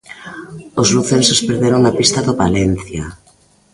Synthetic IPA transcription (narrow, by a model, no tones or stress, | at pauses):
ozluθensospeɾðeɾoŋapist̪aðoβalen̟θja